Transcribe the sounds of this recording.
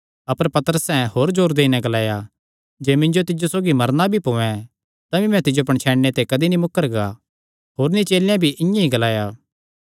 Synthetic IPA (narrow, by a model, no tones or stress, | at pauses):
ɐpəɾpɐt̪əɾəsɛ̃ɦoːɾd͡ʒoːɾd̪eːinɛ̃ɡɐlaːja | d͡ʒeːmɪ̃nd͡ʒot̪ɪd͡ʒosoːɡimɐɾnabʱipõːɛ̃ | t̪ɐbimɛ̃t̪ɪd͡ʒoɐpəɳ̃t͡ʃʰɛːɽːet̪ekɐd̪inimʊkːəɾɡa | ɦoːɾnit͡ʃeːljãbʱiʔɪ̃jãɦĩɡɐlaːjaː